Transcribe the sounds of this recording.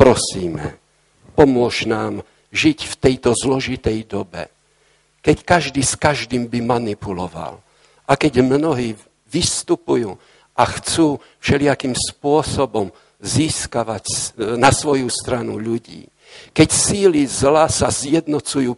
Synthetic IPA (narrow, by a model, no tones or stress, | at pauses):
pɾɔsiːmɛ̰ | pɔmʊɔʃnaːm | ʒicft̪ɛjt̪ɔzlɔʒit̪ɛjd̪ɔbɛ̰ | kɛckaʒd̪iːskaʒd̪iːmbimanipulɔʋa̰l | akɛɟmnɔɦiː | ʋist̪upujuː | axt͡suː | fʃɛlɪakiːmspʊɔsɔbɔm | ziːskaʋacnasʋɔjust̪ɾanuʎuɟḭː | kɛcsiːlizlasazjɛd̪nɔt͡sujuː